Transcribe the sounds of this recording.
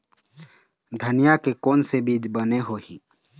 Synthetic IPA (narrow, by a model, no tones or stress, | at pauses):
d̪ʱənijakekɔːnsebiːd͡ʒbəneɦoːhĩː